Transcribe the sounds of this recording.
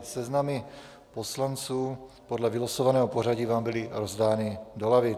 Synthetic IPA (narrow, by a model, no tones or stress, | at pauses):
sɛznamɪ | po̞slant͡suː | podlɛvɪlosovanɛːɦopor̝aɟiːvaːmbɪlɪɾo̞zdaːnɪdo̞lavɪ